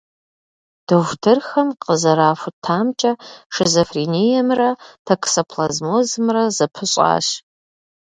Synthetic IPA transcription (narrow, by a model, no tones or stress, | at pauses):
d̥owʷtʰɨrxɐmqəzɐɾaːfʷʊtʰːaːmt͡ʃʼɐʂɨzofrinijɛmrɐtʰɐksopʰlɐzmoːzɨmrɐzɐpʰɨɕʼa̰ːɕ